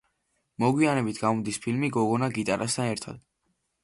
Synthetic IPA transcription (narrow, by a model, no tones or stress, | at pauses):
mɔɡwianɛbit̪ʰɡamɔd̪ispʰilmiɡɔɡɔnaɡit̪ʼaɾʔast̪ʰanɛɾt̪ʰa̰d̪̥